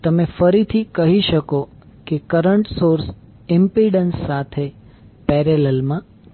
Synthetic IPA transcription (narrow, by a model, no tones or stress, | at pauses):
t̪əmefəɾit̪ʰikəɦiʃəko | kekəɾəɳʈsoɾs | ɪmpiɖənsːat̪ʰe | pɛɾelelmã